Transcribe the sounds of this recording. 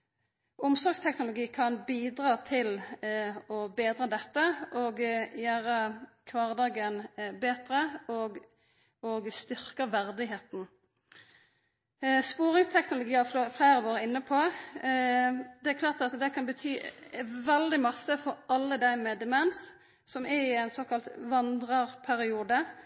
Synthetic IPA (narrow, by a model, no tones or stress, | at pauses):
ʔʊmsɔɾɡst̪ʰɛknʊlʊɡiːkʰɑnbiːd̪ɾɑːt̪ʰɪl | ɔbeːd̪ɾɑːd̪ɛt̪ːəʔɔɡjæːɾəkʰʋɑːʁd̪ɑːɡənbeːt̪ɾəɔɡ | ɔɡst̪ʏɾkəʋæʁd̪ɪɦeːt̪n̩ | spuːɾɪŋst̪ʰɛknʊlʊɡiːɑfloflæːɾəʋoːɾəɪnːəpʰɔ | d̪ɛækʰlɑːʁt̪ɑt̪d̪ɛkʰɑnbət̪ʰyːʋɛld̪ɪmɑsːəfɔɾɑlːəd̪æɪmɛd̪əmɛns | sɔmæɾɪæɪnsoːkɑlt̪ʋɑnd̪ʁəʁpʰæɾɪuːd̪ə